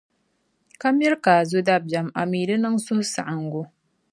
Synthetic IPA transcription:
ka˦m˦ɪ˦ɾkaː˨zʊ˦da˦ba˦ma˨miː˨lɨ˦nɨ˦ŋsʊ˦hʊ˦sa̰˨ʔa˨ŋ˦ɡʊ˦

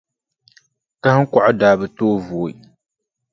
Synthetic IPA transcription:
ka˦hɨ˦kɔ˨ʔʊ˦daː˨˦bɨ˨toː˦voː˨

